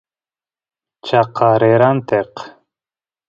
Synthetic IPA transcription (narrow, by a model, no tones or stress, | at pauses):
t͡ʃɑqʰɑɾeɾant̪eq